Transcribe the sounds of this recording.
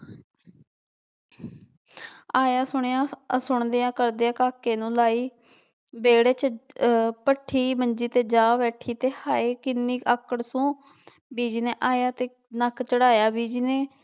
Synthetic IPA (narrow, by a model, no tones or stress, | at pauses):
aːjaːsʊɳ̃ejãːsʊɳd̪eːãːkəɾd̪eːaːkaːkeːnũːlaːiː | beːɽeːt͡ʃ | pəʈʰːiːməɲd͡ʒiːt̪eːd͡ʒaːʋɛːʈʰiːt̪eːhaːeːkɪnːiːəkəɽsũː | biːd͡ʒineːʔaːjaːt̪eː | nəkt͡ʃəɽaːjaːbiːd͡ʒiːneː